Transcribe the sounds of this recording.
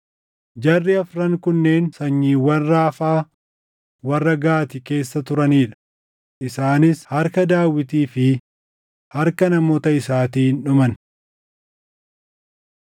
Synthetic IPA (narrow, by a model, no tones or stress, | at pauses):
d͡ʒɐrːɪɐfɾɐŋkʊnːe̞ːnsɐɲːiːwɐnraːfaː | wɐrːɐɡaːt̪ɪke̞ːsːɐt̪ʊɾɐniːᶑɐ̥ | ʔɪsaːnɪshɐɾkɐd̪aːwːɪt̪iːfɪ | hɐɾkɐnɐmoːt̪ɐɪsaːt̪iːnᶑʊmɐn